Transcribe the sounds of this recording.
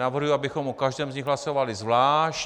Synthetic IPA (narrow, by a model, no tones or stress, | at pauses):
navrɦujuabɪxomokaʒdɛːmzɲɪxɦlaso̞valɪzvlaːʃ